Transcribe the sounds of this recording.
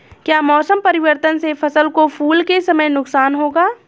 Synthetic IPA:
kjaːmɔːsəmpɐɾɪʋəɾt̪ənsefʰɐsəlkofʰuːlkesɐməjnʊksaːnɦoːɡaː

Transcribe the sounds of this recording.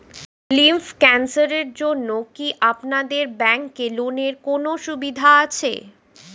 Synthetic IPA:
limfkɛnsaɾeɾd͡ʑonːokiʔapnad̪eɾbɛŋkːeloneɾkonoʃubid̪ʱaat͡ɕʰḛ

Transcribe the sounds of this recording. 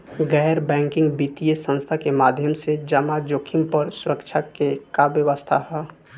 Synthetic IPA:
ɡɛːɾbɛ̃ːŋkɪ̃ŋɡbit̪ijesə̃nst̪ʰakemaːd̪ʱjəmsed͡ʒəmad͡ʒoːkʰimpəɾsʊɾəkt͡ʃʰakekabjəʋəst̪ʰaɦɛː

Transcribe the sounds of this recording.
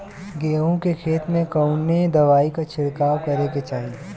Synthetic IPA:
ɡeːõkekʰeːt̪mẽkɐʊned̪ɐʋaːikat͡ʃʰɪɽkaːwkɐɾeket͡ʃaːɦie

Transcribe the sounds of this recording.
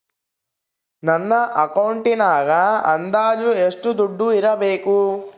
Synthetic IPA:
nɐnːɐʔɐkɐwɳʈinaːɡaɐ̰nd̪aːd͡ʒueʂʈud̪uɖːuiɾɐbeːku

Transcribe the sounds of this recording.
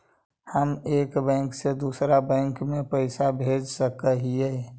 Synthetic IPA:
həmeːkbɛ̃ːŋksed̪uːsɾabɛ̃ːŋkmẽpəɪsabʱed͡ʒsəkəɦie

